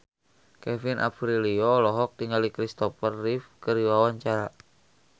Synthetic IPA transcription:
kɛfinʔa̰pɾiliɔlɔɦɔk̚t̪iŋɡalikɾist̪ɔfərːifkəɾiwawaɲt͡ʃaɾa

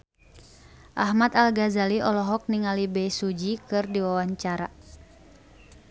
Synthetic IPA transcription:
ʔaɦmat̪alɡazaliʔɔlɔɦɔk̚niŋalibɛsud͡ʒikɨrdiwawaɲt͡ʃaɾa

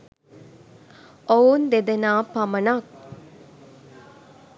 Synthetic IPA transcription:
ound̪ed̪enaːpamɐnak̚

